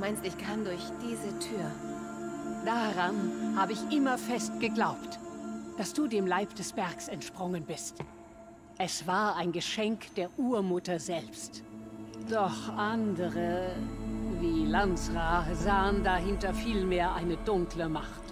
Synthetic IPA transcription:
dumaɪnstɪçkʰandʊɐçd̥iːzətʰyːɐ | d̥aʁanhaːbəɪçʔɪmɐfɛst̚ɡ̥əɡlaʊptd̥asd̥uːdeːmlaɪpd̥ɛsb̥ɛɐksɛntʃpʁ̥ʊŋənbɪst | ʔɛsv̥aːɐaɪnɡəʃɛŋkd̥eːɐʔuːɐmʊtɐzɛlpstd̥ɔχʔandəʁə | viːlant͡sʁazaːəndaɦɪntɐfiːlmeːɐʔaɪnədʊŋkləmaχt

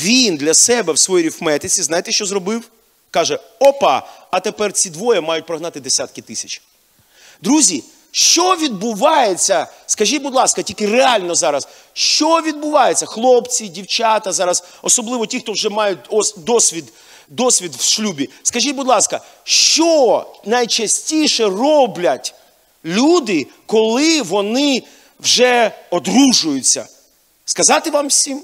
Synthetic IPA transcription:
ʋʲind̪lʲɐsɛbɛwsʋɔjiɾʲifmɛt̪ɪt͡sʲiznajt̪ɛʃt͡ʃɔzɾɔbɪw | kɑʒɛɔpɑ̰ɐt̪epɛrt͡sʲid̪ʋɔjɐmɑjʊt̚ʲpɾɔɦnɑt̪ɪd̪esʲat̪̚kɪt̪ɪsʲɐt͡ʃʲ | d̪ɾuzʲi | ʃt͡ʃɔʋʲid̪̚bʊʋɑjet͡sʲːɐskɐʒʲit̚ʲbʊd̪lˠɑskɐtʲilʲkɪreɑlʲnɔzɑɾɐs | ʃt͡ʃɔʋʲid̪bʊʋɑjet͡sʲːɐxlˠɔpt͡sʲidʲiwt͡ʃɑt̪ɐzɑɾɐzɔsɔblˠɪʋɔtʲixt̪ɔwʒɛmɑjʊt̚ʲɔsd̪ɔsʲʋʲid̪ | d̪ɔsʲʋʲid̪wʃlʲubʲiskɐʒʲit̚ʲbʊd̪lˠɑskɐ | ʃt͡ʃɔnɐjt͡ʃɐsʲtʲijʃɛrɔblʲɐtʲ | lʲud̪ɪkɔlˠɪʋɔnɪ | wʒɛɔd̪ruʒʊjʊt͡sʲːɐ̰ | skɐzɑt̪ɪʋɑmwsʲim

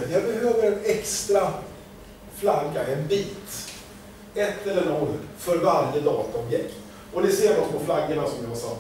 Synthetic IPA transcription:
jæɾbɛɦøːvəɾɛnɛkst̪ɾa | flaɡːaɛnbiːt̪ | ɛt̪ːɛlːəɳɔlːfœɾvaɾjəd̪ɑːt̪aɔmjɛkt̪ | ɔnɪseːvɔt̪pʰɔflaɡːəɳasɔmd̪ɪasa

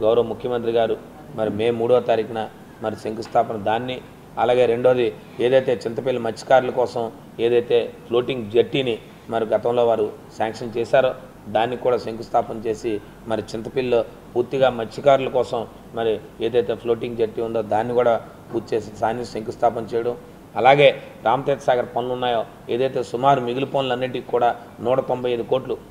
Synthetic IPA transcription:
ɡɐwɾɐʋɐmukʰjɐmɐnt̪ɾiɡaːɾu | mɐɾimeːmːuːɽoːt̪ɐɾikɐnɐ | mɐɾiseŋkust̪ʰaːpɐnɐd̪aːnːi | ɐlaːɡe̞ːɾe̞ɳɖo̞ːd̪i | e̞ːd̪ɐjt̪e̞ːt͡ʃint̪ɐpilːɐmɐt͡ʃːi̥kaːɾulɐkɔːsɐm | eːd̪ɐjt̪e̞ːpʰlo̞ːʈiŋɡd͡ʒɐʈːiːni | mɐɾiɡɐt̪ɐ̃mlo̞ːʋaːɾusaːŋkʂɐnt͡ʃɛːsaːɾu | d̪aːnːikuːɽaːseŋkust̪ʰaːpɐnt͡ʃe̞ːsi | mɐɾit͡ʃint̪ɐpilːoː | puːɾt̪iɡaːmɐt͡ʃːikaːɾulɐkɔːsɐm | mɐɾi | e̞ːd̪ɐjt̪e̞ːpʰloːʈiŋɡd͡ʒɐʈːiund̪oːd̪aːnːikuːɽaː | puːɾt̪t͡ʃeːsisaːniseŋkust̪ʰaːpɐnt͡ʃɛːjɐɽɐm | ɐlaːɡe̞ːɾaːmɐt̪eːt̪ɐsaːɡɐɾpɐnulunːaːjoː | e̞ːd̪ɐjt̪e̞ːsumaːɾumiɡilupoːnlɐnːiʈ̬ːiikuːɽaː | nuːʈɐt̪o̞mbʱɐjɐjd̪uko̞ːʈlu

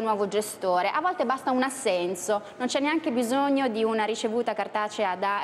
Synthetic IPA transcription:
nwɔːvod͡ʒest̪oːɾeʔavːɔlt̪ebast̪aunasːɛnsonont͡ʃɛnːeaŋk̟ebizoɲːod̪iunaɾit͡ʃevuːt̪akart̪aːt͡ʃead̪a

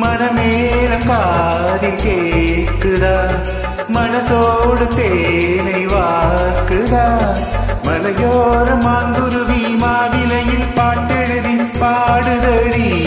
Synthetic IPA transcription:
mɐnɐmeːlɐmkaː | ðikeːkɯða | mɐnɐsoːɽɯt̪enɐɪʋaːɾkɯða | mɐlɐjoːɾɯmaːnɡ̪ɯɾɯʋimaːʋɪlɐjɪlpaːʈːɛɻɯðipaːɽɯðɐɽi

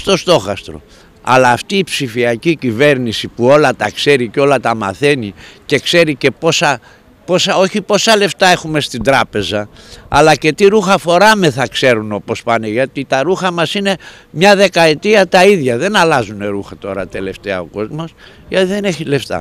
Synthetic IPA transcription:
st̪o̞st̪o̞xɐst̪ɾo̞̰ | ɐ̰lɐːft̪iːpsifiɐcicive̞ɾnisipuo̞lɐt̪ɐkse̞ɾiceo̞lɐt̪ɐmɐ̰θe̞nice̞kse̞ɾice̞po̞sɐ | po̞sɐo̞çipo̞sɐle̞ft̪ɐe̞xume̞st̪ind̪ɾɐpe̞zɐ | ɐ̰lɐce̞t̪iɾuxɐfo̞ɾɐmeθɐkse̞ɾuno̞po̞spɐneʝɐt̪it̪ɐɾuxɐmɐsine̞ | mɲɐðe̞kɐet̪iɐt̪ɐiðʝɐðe̞nɐlɐzune̞ɾuxɐt̪o̞ɾɐt̪e̞le̞ft̪e̞ɐ̰o̞ko̞zmo̞s | ʝɐt̪iðe̞neçile̞ft̪ɐ̰

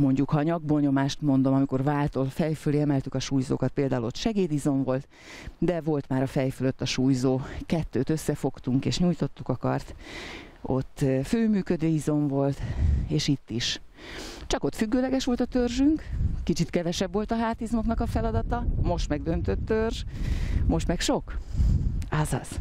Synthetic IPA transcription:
mo̞ɲɟukhɒɲɒɡ̚boɲo̞maːʃt̪mo̞n̪d̪o̞mɒmiko̞rvaːlt̪o̞lfɛjføleːɛmɛlt̪ykɒʃuːjzo̰ːkɒt̪̚peːld̪aːulo̞t̪ʃɛɡeːd̪izo̞ɱvo̞lt̪ | d̪ɛvo̞lt̪maːɾɒfɛjføløt̪ːɒʃuːjzoːkɛt̪ːøːt̪øsːɛfo̞kt̪uŋkeːʃɲuːjt̪o̞t̪ːukɒkɒ̰rt̪ | o̞t̪ːføːmyːkød̪øːizo̞ɱvo̞lt̪eːʃit̪ːiʃ | t͡ʃɒko̞t̪fyɡːøːlɛɡɛʃʋo̞lt̪ɒt̪ørʒyŋkkit͡ʃit̪kɛvɛʃɛbːo̞lt̪ɒɦaːt̪izmo̞knɒkɒfɛlɒd̪ɒt̪ɒmo̞ʃt̪mɛɡ̚d̪ø̞nt̪ø̞t̪ːørʒmo̞ʃt̪mɛkʃo̞k | azɒz̥

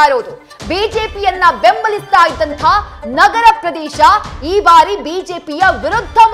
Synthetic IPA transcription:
aːɾoːd̪u | biːd͡ʒeːpijɐnːɐbembɐlist̪aːjid̪ːɐnt̪ʰɐnɐɡɐɾɐpɾɐd̪ɛːʃɐiːbaːɾibiːd͡ʒeːpijɐʋiɾud̪ʱːɐm

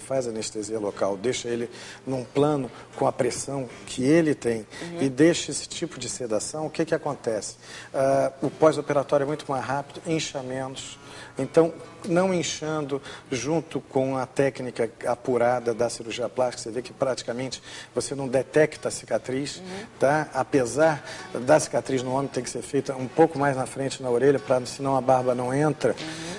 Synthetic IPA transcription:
fajzɐneʃt̪eziɐlokawd̪ejʃɐelɪnũplɐ̃nʊkõɐpɾesɐ̃w̃kʰɪelɪt̪ẽj̃ɪd̪ejʃɐesɪ̥t͡ʃipʊd͡ʒɪsed̪asɐ̃w̃ʊkɪkɪakõnt̪ɛsɪ̥aʊpɔzopeɾat̪ɔɾjʊɛmũj̃t̪ʊmajzɦapid̪ʊẽʃɐmẽnʊs | ẽnt̪ɐ̃w̃nɐ̃w̃ẽʃɐ̃nd̪ʊʒũnt̪ʊkõɐt̪ɛknikɐapuɾad̪ɐd̪ɐsiɾuɾʒiɐplaʃt͡ʃikɐ̥sevekɪpɾat͡ʃi̥kamẽnt͡ʃɪ̥vosenɐ̃w̃d̪et̪ɛkt̪ɐsi̥kat̪ɾiʃt̪aapezaɾd̪ɐsi̥kat̪ɾiznʊ̃õmẽt̪ẽkɪ̥seɾfejt̪ɐũpowkʊmajznɐfɾẽnt͡ʃɪnɐoɾeʎɐpɾɐsɪnɐ̃w̃ɐbaɾbɐnɐ̃w̃ẽnt̪ɾɐ

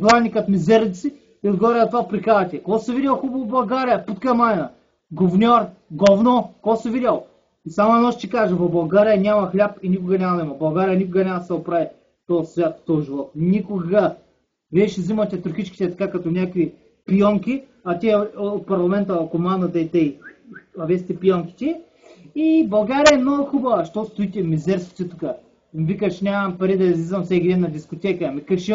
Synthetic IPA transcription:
ɡlˠanʲikət̪mizɛɾd̪it̪si | iod̪ɡovaɾʲənɐt̪vapɾikad̪ɐt̪ʲɛkoɔsividʲɐlˠxubɐvobɐlˠɡaɾijɐput̪kəmaɛnɐ | ɡovnʲɔɾɡɔvnokɔsividʲəlˠ | isamoɛnɔʃt̪ikaʒəvɐbɐlˠɡaɾijɐnʲamɐxlʲapinʲikʊɡɐnʲamɐnɛmɐbɐlˠɡaɾijɐnʲikʊɡənʲamɐst̪ɛʊpɾavi | t̪ɔsvʲjat̪t̪ɔʒilˠɔt̪nikʊɡɐ | viɛʃɛzimɐt̪ɛt̪ɾʊxit͡ʃkʲi̥t̪ɛt̪ɐ̥kakɐt̪onʲakvi | pijɔŋkʲi | ɐt̪ʲiɛot̪̚pɐɾlˠɐmɛnt̪ɐːkomand̪ɐd̪ɐit̪ɛiɐvʲiɛst̪ɛpijɔŋkʲi̥t̪ʲiɛ | ibɐlˠɡaɾijəɛmnoɡʊxubɐvɐʃt̪ɔst̪ʊit̪ʲɛmizɛɾski̥t̪ɛt̪ukə | mvikəʃnʲamɐmpɐɾid̪ɐizlʲizvɐmfsɛkʲkʲid̪ɛnɐd̪iskot̪ʲɛkəmikɐʃi

